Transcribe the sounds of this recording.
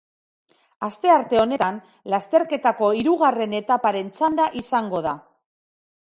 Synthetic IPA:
ast̪e̞aɾt̪e̞o̞ne̞t̪an | last̪e̞ɾke̞t̪ako̞iɾuɣare̞ne̞t̪apaɾe̞nt͡sand̪aʔisaŋɡo̞ð̞a

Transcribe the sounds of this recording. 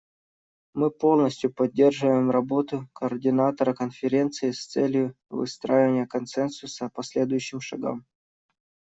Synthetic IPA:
mɨpo̞lˠnəsʲtʲjʊpɐdʲːe̞rʐɨvəjɪmrɐbo̞t̪ʊkəːrdʲɪnat̪əɾəkənfʲɪɾʲe̞nt̪sɨɪst̪sɛlʲjʊ | vɨ̰st̪ɾajɪvənʲɪjəkɐnsɛnsʊsəpɐsʲlʲe̞d̪ʊjʉɕːɪmʂɐ̰ɡa̰m

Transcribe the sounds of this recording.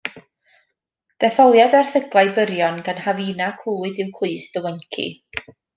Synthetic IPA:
d̥ɛθɔlˠjadarθəɡlˠajbəɾjɔnɡanhaviːnakʰl̥ˠuːɨdɨwkʰl̥ˠɨːsdəwɛnkʰḭ

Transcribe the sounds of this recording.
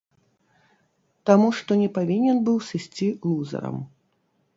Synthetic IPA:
t̪amuʂt̪ɔnʲɛpavʲinʲɛnbɨwsɨsʲt͡sʲilˠuzɐ̰ɾɐ̰m

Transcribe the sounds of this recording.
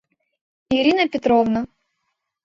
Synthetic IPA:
iɾʲinɐpʲɪt̪ɾɔvnɐ

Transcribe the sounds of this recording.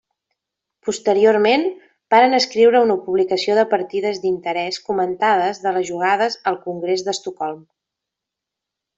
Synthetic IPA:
pust̪əɾioɾmen | b̥aɾənəskɾiwɾəunəpuβlikəsioðəpəɾt̪iðəzd̪int̪əɾɛskumənt̪að̞əzðələzʒuɣ̞að̞əzəlˠkuŋɡɾezðəst̪ukɔlˠm

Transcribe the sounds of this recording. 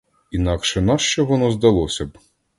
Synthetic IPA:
inɑkʃɛnɑʃt͡ʃɛʋɔnɔzd̪ɐlˠɔsʲɐb

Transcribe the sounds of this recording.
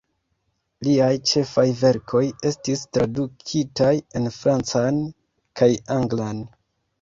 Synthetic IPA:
liajt͡ʃe̞fajve̞ɾkʰo̞je̞stistɾadukʰitaje̞nfɾant͡san | kajaŋɡlan

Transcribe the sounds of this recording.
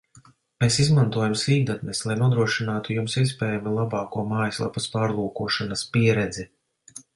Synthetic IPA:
meːsizmant̪uɔjamsiːd̪at̪nɛslˠajnuɔd̪ɾuɔʃinaːt̪ujumsispɛːjamilˠabɑːkuɔmaːjslˠa̰puspaːɾlˠuːkuɔʃanɐspiɛɾɛd̪zi

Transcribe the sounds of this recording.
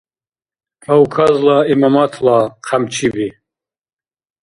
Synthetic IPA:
awkʰazlaimamat̪ʰlaqʰamt͡ʃʰibi

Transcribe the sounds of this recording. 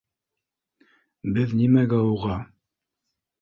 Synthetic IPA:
bɘðnimæɡɑuʁɑ

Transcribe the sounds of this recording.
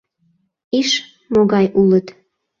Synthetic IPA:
iʃ | moɣɑjʔulət̪

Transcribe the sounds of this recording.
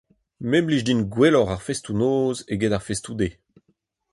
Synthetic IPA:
mɛmliʒdinɡwelɔʁaʁfestunoːzeɡedaʁfestud̪e

